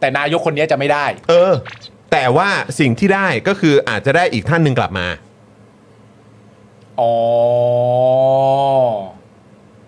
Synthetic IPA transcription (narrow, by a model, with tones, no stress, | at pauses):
t̪ɛː˨˩naː˦˥jo˦˥kʰːo˧nːi˦˥ɐt͡ɕa˨˩ma˥˩jdaː˥˩jʔɤː˧t̪ɛː˨˩waː˥˩si˨˩ŋt̪ʰiː˥˩daː˥˩jkɔː˥˩kʰɯː˧ʔaː˨˩t̪̚t͡ɕa˨˩daː˥˩jʔiː˨˩k̚t̪ʰa˥˩nːɯ˧ŋkla̰˨˩p̚ma̰ː˧ | ʔɔː˩˦